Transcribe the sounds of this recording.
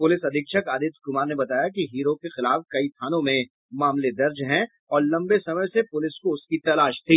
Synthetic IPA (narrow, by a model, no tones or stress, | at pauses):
pʊlɪsɐd̪ʱɪkʃəkaːd̪ɪt̪kʊmaːɾnebɐt̪aːjakiɦiːɾokexɪlaːfkɐit̪ʰaːnõmẽ | maːmled̪ɐɾd͡ʒɦɛ̃ | ɔːɾlɐ̃mbesɐməjsepʊlɪskoʊskit̪ɐlaːʃt̪ʰiː